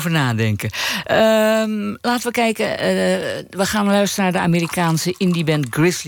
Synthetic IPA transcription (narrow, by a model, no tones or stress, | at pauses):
vərnaːdɛŋkəə | laːtənʋəkɛjkə | ʋəxaːnlœɥstərənaːdəa̰meːɾikaːnsəʔindibɛntɡrɪsl